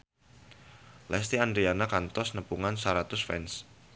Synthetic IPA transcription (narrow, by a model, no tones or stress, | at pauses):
lɛst̪iandɾianakant̪ɔsnəpuŋansaɾat̪ʊsfɛ̰ns